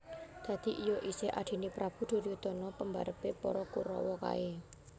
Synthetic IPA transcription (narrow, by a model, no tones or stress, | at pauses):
d̪̥ä̤d̪̥i̤ʔijɔʔiseʔa̰d̪̥i̤nipɾab̥ṳd̪̥o̤ɾjud̪̥ɔ̤nɔpəmbaɾəpepɔ̰ɾɔkuɾɔ̰wɔka̰e